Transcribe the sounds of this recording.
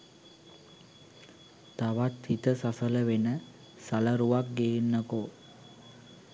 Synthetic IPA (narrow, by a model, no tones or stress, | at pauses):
t̪aʋat̪hit̪əsasələʋenə | saləɾuʋak̚ɡeːnːəko